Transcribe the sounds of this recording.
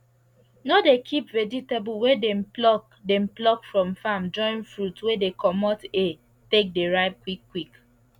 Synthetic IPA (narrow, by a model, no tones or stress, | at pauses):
nodekʰipvɛd͡ʒitebulwedemplɔk | dem̩plɔkfɹɔ̃mfãmd͡ʒɔ̃ɪ̃nfɹutwedekʰɔmɔte | tek̚deɹaɪb̚kwikːwik